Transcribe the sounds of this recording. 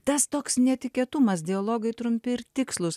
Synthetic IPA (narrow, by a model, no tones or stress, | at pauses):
t̪ɐst̪oːksnʲɛt̪ʲɪkʲeɛt̪ʊmɐsd̪ʲɪolˠoːɡɐɪt̪ɾʊmʲpʲɪɪɾt̪ʲɪkslˠʊs